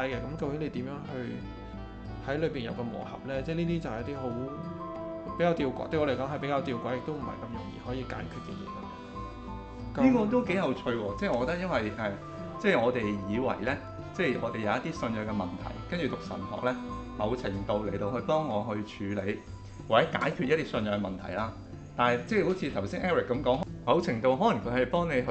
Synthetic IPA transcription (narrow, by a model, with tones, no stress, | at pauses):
jkɛː˧kɐ˨˥mko˧wjeː˨˥nle˨˧jt̪iː˨˥mjœː˨˥ŋhɵ˧ɥ | hɐ˨˥jlɵ˨˧ɥpiː˨njɐ̰˨wkɛ˧mɔ̰ː˨˩hɐ̰˨p̚lɛː˥t͡sɛː˥˧˩niː˥t̪iː˥t͡sɐ˨wt̪iː˥ɦo˨˥w | pe˨˥kaː˧wt̪iː˧wkʷɔ̰ː˧˥t̪ɵ˧jɔ˧le˨˩kɔ˨˥ŋɦɐ˨jpe˨˥jkaː˧wt̪iː˧wkʷɔ˨˥jɪ˨k̚t̪o˥wm̩˨˩hɐ̰˨˩jkɐ˧mjʊ̰˨˩ŋjḭː˨˧hɔː˨˥jiː˧ka̰ː˨˥nkʰy˨˧t̚kḭ˧˩l̰ːkɐ̰˧˩˨ | kɐ˦niː˥kɔː˧t̪̬o˥wke˨˥jhɐ˨˧wt͡ʃʰɵ˧ɥwɔː˧t͡sɛː˥˩ŋɔ˨˧kːɔ˧t̪ɐ˥jɐ˥nwɐ˨jʔɛː˨ | t͡sɛː˥˩jŋɔː˨˧t̪e˨jjiː˨˧wɐ̰˨˩jlɛː˥ | t͡sɛː˥˩ŋɔː˨˧t̪e˨jɐ˨˧jɐ˥t̪iː˥sɵ˧njœː˧ŋkɛ˧mɐ˨˩nt̪ʰɐ̰˨˩jkɐ˥nt͡ʃy˨t̪ʊ˨k̚sɐ̰˨˩nʰɔ̰ː˨k̚lɛː˥mɐ˨˧wt͡sʰɪ˨˩ŋt̪o˧wle˨˩jt̪o˨˧whɵ˧ɥpɔː˥ŋːɔː˨˧ɦɵ˧t͡ʃʰyː˨˧le˨˧j | waː˨˩t͡sɛː˨˥ka̰ː˨˥jkʰyː˨˧˥ɐ˥t̪iː˥sɵ˧njœː˧ŋɛ˧mɐ˨nt̪ʰɐ̰˨˩jlaː˧ | t̪aː˨nɐ˨jt͡sɛː˥˩ho˨˥wt͡sʰi˧t̪ʰɐ˨˩wsiː˥ŋʔɛː˥wɪ˨kːɐ˨˥mkɔː˨˥ŋɦmɐ˨˧wt͡sʰɪ˨˩ŋt̪o˧wɦɔ˨˥lɐ˨˩ŋkʰɵ˨˧hɐ˨jpɔː˥ŋne˨˧jɦ